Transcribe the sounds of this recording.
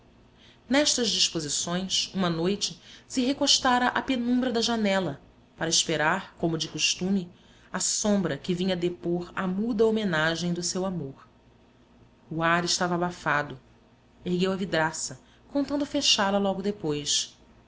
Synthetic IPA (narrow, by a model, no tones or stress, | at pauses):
nɛʃt̪ɐzd͡ʒiʃpozisõj̃sũmɐnojt͡ʃɪsɪɦekoʃt̪aɾɐʔapenũmbɾɐd̪ɐʒanɛlɐ | paɾɐɪʃpeɾaɾkõmʊd͡ʒɪkuʃt̪ũmɪ | asõmbɾɐkɪvĩɲɐd̪epoɾamud̪ɐomenaʒẽj̃d̪ʊsewamoɾ | uaɾɪʃt̪avɐːbafad̪ʊ | ehɡewɐvid̪ɾasɐ | kõnt̪ɐ̃nd̪ʊfeʃalɐlɔɡʊd̪epojs